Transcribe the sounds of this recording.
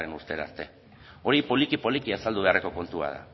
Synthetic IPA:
enust̪eɾa̰ːst̪e̞ | o̞ɾipo̞likipo̞likiasald̪uβe̞areko̞ko̞nt̪ua̰ð̞a̰

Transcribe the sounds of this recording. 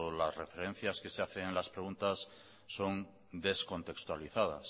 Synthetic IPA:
lazre̞fe̞ɾẽ̞n̟θjaske̞se̞aθeŋlaspɾe̞ɣunt̪asː | o̞n | d̪e̞sko̞nt̪e̞kst̪waliθað̞a̰s

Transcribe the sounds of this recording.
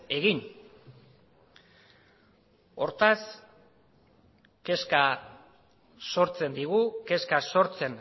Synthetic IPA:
e̞ɣin | o̞ɾt̪as | ke̞ska | so̞ɾt͡se̞nd̪iɣuke̞skaso̞ɾt͡se̞n

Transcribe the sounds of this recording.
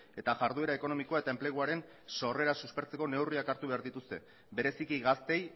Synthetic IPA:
e̞t̪aʝaɾðue̞ɾae̞ko̞no̞mikoae̞t̪ae̞mple̞ɣ̞uaɾe̞n | so̞re̞ɾasuspe̞ɾt͡se̞ko̞ne̞wriakaɾt̪uβe̞aɾðit̪ust̪e̞̰ | be̞ɾe̞sikiɣast̪e̞j

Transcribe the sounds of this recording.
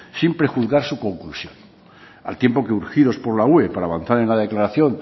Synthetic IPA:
simpɾexuθɣaɾsuko̞ŋklusjo̞n | a̰lt̪je̞mpokeuɾxiðo̞spo̞ɾlauepaɾaːβan̟θaɾenlaðe̞klaɾaθjo̞n

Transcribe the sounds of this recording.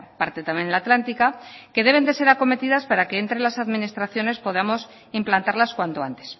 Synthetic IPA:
paɾt̪e̞t̪amje̞nlat̪lant̪ikake̞ðe̞β̞e̞nd̪e̞se̞ɾako̞me̞t̪iðaspaɾake̞ːnt̪ɾe̞lasaðminist̪ɾaθjo̞ne̞spo̞ð̞amo̞s | implant̪aɾlaskwant̪o̞a̰nt̪e̞̥s

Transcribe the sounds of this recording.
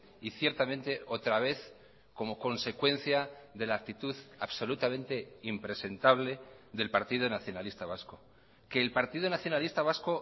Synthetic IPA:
iθje̞ɾt̪amẽnt̪e̞ot̪ɾaβ̞e̞θ | ko̞mo̞ko̞nse̞kwe̞n̟θjaðe̞laːk̚t̪it̪uðaβso̞lut̪amẽ̞nt̪e̞impɾe̞se̞nt̪aβ̞le̞ðe̞lpaɾt̪iðonaθjo̞nalist̪aβasko̞ | ke̞ːlpaɾt̪iðonaθjo̞nalist̪aβ̞asko̞

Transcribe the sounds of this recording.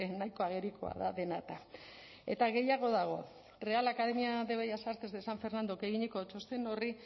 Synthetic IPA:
enajko̞aɣ̞e̞ɾiko̞a̰ðaðe̞nat̪a | e̞t̪aɣe̞jaɣ̞o̞ðaɣ̞o̞̰ | re̞alakaðe̞miaðe̞βajasaɾt̪ezd̪esaɱfe̞ɾnand̪oke̞ɣiɲeko̞t͡ʃost̪eno̞ri

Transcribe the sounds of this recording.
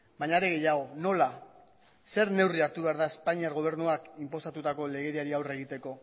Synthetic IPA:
baɲaːɾeɣe̞jaɣ̞o̞no̞la | se̞ɾne̞wriaɾt̪uβe̞aɾðae̞spaɲiaɾɣo̞β̞e̞ɾnuakimpo̞sat̪ut̪ako̞le̞ɣ̞e̞ɾiaɾiawre̞ɣ̞it̪e̞ko̞

